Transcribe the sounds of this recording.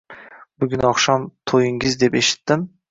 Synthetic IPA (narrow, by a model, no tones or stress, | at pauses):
bʊɡʲɪnɒχʃamt̪ʰojɪŋɪzd̪e̞pe̞ʃɪ̥t̪ːɪm